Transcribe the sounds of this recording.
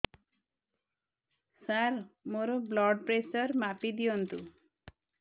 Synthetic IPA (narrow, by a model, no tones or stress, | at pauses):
saɾmoɾoblɔɖpɾesɔɾmapid̪ijɔnt̪u